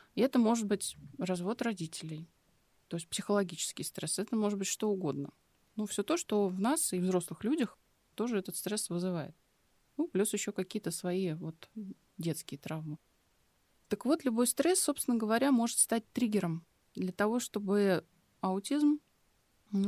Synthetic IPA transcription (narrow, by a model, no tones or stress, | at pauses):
ɪɛt̪əmo̞ʐɨd̪̚bɨtʲrɐzvo̞t̪rɐdʲitʲɪlʲɪj | t̪o̞ɪsʲt̚ʲpsʲɪxəlˠɐɡʲit͡ɕɪ̥skʲɪjst̪ɾɛsɛt̪əmo̞ʐɨt̪̚bɨtʲʂt̪o̞ʊɡo̞d̪nə̰ | nufsʲot̪oʂt̪o̞vnasɪvzɾo̞slˠɨxlʲudʲəx | t̪o̞ʐɨɛt̪ət̪st̪ɾɛsvɨzɨvajɪ̰t̪̚ | nuplʲusjɪɕːo̞kɐkʲijət̪əsvɐivo̞t̪ | dʲet̪skʲɪjət̪ɾavmɨ | t̪əkvo̞t̪lʲʊbo̞jst̪ɾɛsːo̞pst̪ʲɪnəɡəvɐɾʲamo̞ʐɨt̪st̪at̚ʲt̪ɾʲiɡʲɪɾəm | d̪lʲət̪ɐvo̞ʂt̪o̞bɨ | ɐʊtʲizm